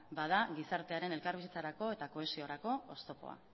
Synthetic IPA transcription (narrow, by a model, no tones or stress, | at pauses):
baðaɣisaɾt̪e̞aɾe̞ne̞lkaɾβisit͡saɾako̞e̞t̪ako̞e̞sio̞ɾako̞ost̪o̞po̞̰a̰